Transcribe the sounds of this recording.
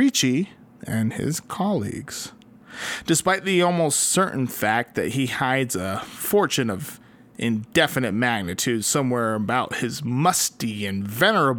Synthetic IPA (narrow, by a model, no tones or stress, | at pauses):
it͡ʃi | ɨ̃nɪ̰z̥kʰɑlˠḭɡz̥ | d̥ɨspaɪt̪̚ðiɔlˠmoʊstsɜ˞ʔn̩fæk̚t̪̚ðɨ̰t̚hihaɪdzəfɔɹt͡ʃɨ̃nʌv | ʔɪ̃ndɛfɨnɨt̚mæɡ̚nɨtʰʉd̥sʌ̃mwɛɹɨbaʊt̚hɪzmʌstiɨ̃nvɛnə˞əb